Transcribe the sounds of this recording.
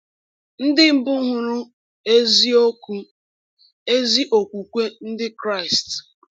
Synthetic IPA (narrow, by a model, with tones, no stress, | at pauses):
n̩˦dɪ˦m̩˨bʊ˦ɦʊ˦ɾʊ˦ | e˦zi˦o˦ku˦ | e˦zi˦ʔo˨kʷu˨kʷe˦n̩˦dɪ˦kɾa˦˨ɪ˨st